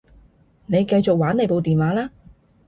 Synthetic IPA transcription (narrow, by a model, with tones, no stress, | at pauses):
ne˨˧jkɐ˧jt͡sʊ˨k̚waː˨˥ne˨˧jpo˨˧wt̪iː˨˩nwaː˨˥laː˥